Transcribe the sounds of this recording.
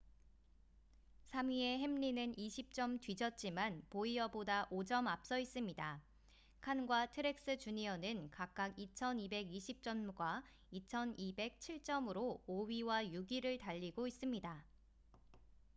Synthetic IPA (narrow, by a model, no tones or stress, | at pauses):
sʰamɥie̞ɦe̞mʎinɯniɕʰip̚t͡ɕ͈ʌmtɥid͡ʑʌt̚t͡ɕ͈imanpoiʌbodaʔod͡ʑʌmap̚s͈ʌis͈ɯmɲida | kʰanɡwatʰɯɾe̞k̚s͈ɯt͡ɕuɲiʌnɯnkak̚k͈aɡit͡ɕʰʌnibe̞ɡiɕʰip̚t͡ɕ͈ʌnɡwa | it͡ɕʰʌnibe̞k̚t͡ɕʰiɭt͡ɕ͈ʌmɯɾoɥiwajuɡiɾɯɭtaʎːiɡois͈ɯmɲida